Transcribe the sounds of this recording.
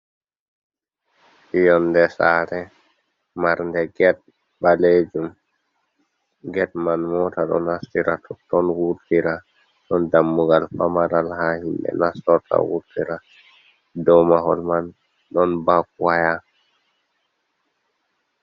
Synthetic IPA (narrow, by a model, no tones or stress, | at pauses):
ʔijɔndɛsaːɾɛ | maɾndɛɡɛt̚ | baled͡ʒum | ɡɛt̚manmɔtaɗɔ̰nhastiɾatʰɔtːɔnwuɾtiɾa | ɗɔndamːuɡalpamaɾalhahimɓɛ̰nasɔta̰wṵɾtiɾa | dɔmahɔ̰lman | ɗɔnbak̚waja